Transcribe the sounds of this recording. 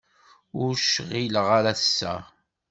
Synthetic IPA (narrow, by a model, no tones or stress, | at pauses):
ʊɾʃʁilʁaɾaθsːæ̰